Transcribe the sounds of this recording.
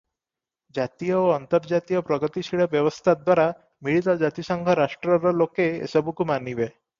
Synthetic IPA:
d͡ʑat̪ijɔoənt̪əɾd͡ʑat̪ijɔpɾɔɡət̪isiɭəbjəʋəst̪ʰad̪waɾa | miɭit̪ɔd͡ʑat̪isəŋɡʱəɾaʂʈɾəɾɔlokeḛsəbukumanibe

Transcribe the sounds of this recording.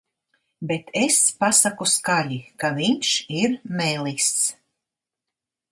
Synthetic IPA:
bet̪ʰespasakuskaʎʲikaviɲʃiɾmɛjlˠist̪s

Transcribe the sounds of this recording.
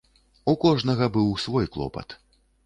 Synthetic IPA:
ukɔʐnɐɣɐbɨwsvɔjklˠɔ̰pɐ̰t̪

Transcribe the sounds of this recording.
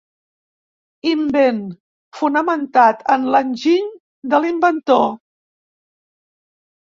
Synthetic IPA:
imben | funəmənt̪at̪ənlənʲʒiɲ | d̪əlimbənt̪o

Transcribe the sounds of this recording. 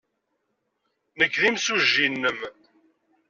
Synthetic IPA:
nəkːðimsuʒːinːəm

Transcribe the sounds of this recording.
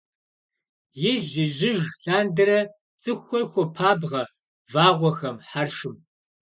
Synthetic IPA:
jɪʒɪʒɪʒɬaːndɐɾɐ | t͡sʼɨxʷɔxʷɔpʰaːbʁɐ | vaːʁʷɔxɐmħarʂɨm

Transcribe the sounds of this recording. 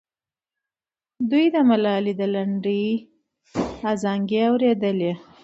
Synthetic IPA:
d̪ujd̪əmalɑlid̪əlaɳɖij | azɑŋɡeawɾed̪əle

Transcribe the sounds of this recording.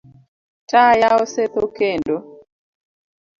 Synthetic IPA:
tajaoset̪okendo

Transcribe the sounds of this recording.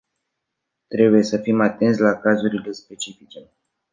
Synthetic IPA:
t̪ɾe̞buje̞səfimat̪e̞nt̪s̬ʲlakazuɾile̞spe̞t͡ʃifit͡ʃe̞

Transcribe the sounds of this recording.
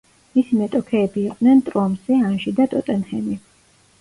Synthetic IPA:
misimɛt̪ʼɔkʰɛːbiːqʼd̪nɛnt̪ʼɾɔmz̥ɛanʒid̪at̪ʼɔt̪ʼɛnχɛni

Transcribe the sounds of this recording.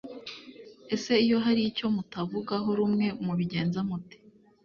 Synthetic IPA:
e̞se̞ijo̞ɦaɾico̞mutavuɡaɦo̞ɾumŋe̞muβiɟe̞ːnzamuti̥

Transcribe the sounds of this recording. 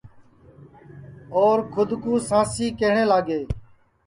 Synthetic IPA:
oːɾkʰʊd̪kũːsãːsiːkeɦɳẽːlaːɡeː

